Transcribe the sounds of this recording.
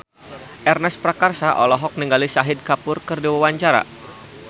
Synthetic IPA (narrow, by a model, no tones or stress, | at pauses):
ʔɛrnɛspɾakarsaʔɔlɔɦɔk̚niŋɡalisaɦɪd̚kapʊrkərdiwawaɲt͡ʃaɾa̰